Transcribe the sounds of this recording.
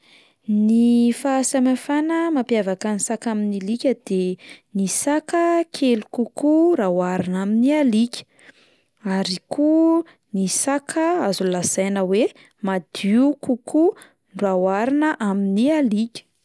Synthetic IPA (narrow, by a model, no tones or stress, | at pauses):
nifasamafanəmapjavakənisakaminilikʲəd̪̥enisakəkʰelukukuɾawaɾinaminialikʲə̥ | aɾiku | nisakʰəazulazajnəwe | mad̪̥iukuku | ɳɖ͡ʐawaɾinəʔaminialikʲə̥